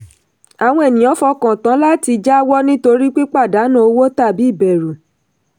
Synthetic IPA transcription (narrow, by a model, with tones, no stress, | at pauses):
a˨w̃ɔ̃˧e˨nĩ˨ɔ̃˨˦fɔ˧kã˨tã˨˦la˦ti˧d͡ʒa˦wɔ˦nĩ˦to˧ɾi˦k͡pi˦k͡pa˦˨da˨˦nũ˦o˧wo˦ta˦˨bi˨˦i˦˨bɛ˨ɾu˨